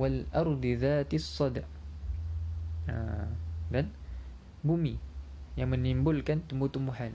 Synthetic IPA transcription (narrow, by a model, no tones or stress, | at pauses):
walʔɑɾˤd̪ˤðaːt̪sˤːɑd̪ʕ | ðan | bʊmi | jamanːimbʊlkant̪muːt̪ʊmːʊħan